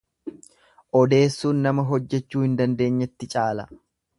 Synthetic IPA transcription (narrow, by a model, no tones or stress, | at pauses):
ʔɔd̪e̞ːsːuːnːɐmɐɦɔd͡ʒːɛt͡ʃːuːhɪnd̪ɐnd̪e̞ːɲːɛt̪ːɪt͡ʃʼaːlɐ